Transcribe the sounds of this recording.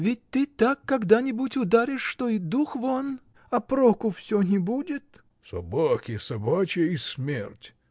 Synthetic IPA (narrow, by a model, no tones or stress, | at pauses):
vʲɪt̚ʲt̪ɨt̪akːɐɡd̪anʲɪbutʲʊd̪aɾʲɪʂːt̪oid̪uxvon | ɐpɾokʊfsʲonʲɪbudʲɪt̪ | sɐ̰bakʲɪsɐbat͡ɕɪjəismʲḛrtʲ